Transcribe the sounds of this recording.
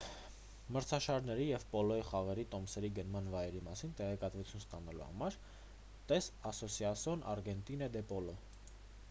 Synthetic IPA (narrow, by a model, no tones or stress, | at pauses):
məɾt͡sʰɑʃɑɾnɛɾijɛvpɔlɔjiχɑʁɛɾit̪ɔmsɛɾiɡənmɑnvɑjɛɾimɑsint̪ɛʁɛkɑt̪vut͡sʰjunst̪ɑnɑlṵhɑ̰mɑɾ | t̪ɛsɑsɔsjɑsɔnɑ̰ɾɡɛnt̪inɛd̪ɛpɔlɔ